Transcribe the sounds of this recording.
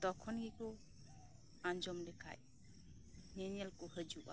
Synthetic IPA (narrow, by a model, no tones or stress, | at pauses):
d̪̥ɔkʰɔnɡikɔ | aɲd͡ʒɔmd̪ɛkʰa̰j | nɛnɛlkɔhəd͡ʒuʔa̰